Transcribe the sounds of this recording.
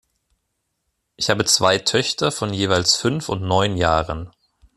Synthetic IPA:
ʔɪçhaːbət͡sv̥aɪtʰœçtʰɐfɔnjeːvaɪlsfʏnfʊntnɔʏnjaːʁən

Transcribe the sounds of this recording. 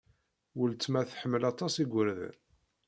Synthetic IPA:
wəlt͡sːmæθħəmːəlɑt̪ˤɑsiɡʷəɾð̰

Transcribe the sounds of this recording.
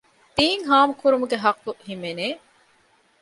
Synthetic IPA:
d̪̥iːŋɦaːmukuɾumuɡeɦɐqːuhimeneː

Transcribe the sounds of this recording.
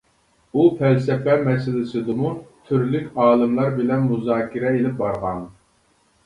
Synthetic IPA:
upɛlsɛpɛmɛsɪlɪsɨd̪ɨmut̪ʰyɾlykʲɑːlˠɨmlˠɑɾbɪlɛnmuzɑːkʲiɾɛelɪp̚bɑɾʁɑ̰n

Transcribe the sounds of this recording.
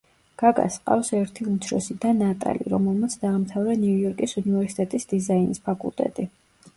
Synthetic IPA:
ɡ̥aɡa̰sqʼa̰fsɛɾt̪ʰiut̪sʰɾɔsid̪anːat̪ʼa̰lḭɾɔmɛlˠmat̪sʰd̪aːmt̪ʰavɾɛnɛujɔɾkʼisunivɛɾsi̥t̪ʼɛt̪ʼisd̪izainispʰakʼṵlˠt̪ʼɛ̰t̪ʼi

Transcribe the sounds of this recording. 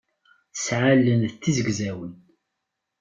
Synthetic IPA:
sʕalːənðət̪ːizəɡzæwən

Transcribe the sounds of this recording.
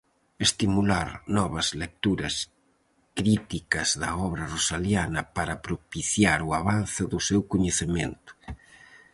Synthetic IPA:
est̪imulaɾnɔβɐzlek̚t̪uɾɐ̰s | kɾit̪ikɐzðɐɔβɾɐrosaljanɐpaɾɐpɾopiθjaɾuaβanθɪðʊsewkuɲeθemḛnt̪ʊ̥

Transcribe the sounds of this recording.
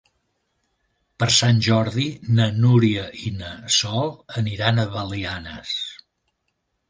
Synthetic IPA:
pəɾsanʲʒɔɾðinənuɾiəʔinəsɔlˠəniɾanəβəlianə̰s

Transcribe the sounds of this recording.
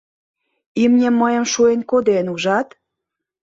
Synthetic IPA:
imnʲĕmːəjə̆mʃuenkod̪enuʒɑt̪

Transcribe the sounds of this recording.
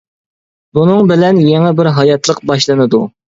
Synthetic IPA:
bunɨŋbɪlɛnjeŋɛbɪɾɦɑjɑt̪ʰlˠəq̚bɑʃlˠɨnɨd̪u

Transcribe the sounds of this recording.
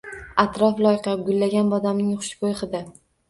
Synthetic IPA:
at̪ɾɒflˠɒjqɑɡʊlːaɡʲanbɒd̪amnɪŋχʊ̥ʃkojχɨd̪a

